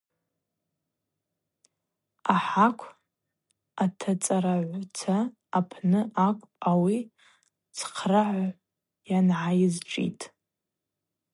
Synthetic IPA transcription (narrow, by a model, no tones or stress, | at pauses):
aħakʷʰ | atʰat͡sʼaɾaʕʷt͡sʰaː | pʰnɨʔakʷʼawi | t͡sʰqʰraʕʷ | janʕajɪzʈ͡ʂʼḭtʼ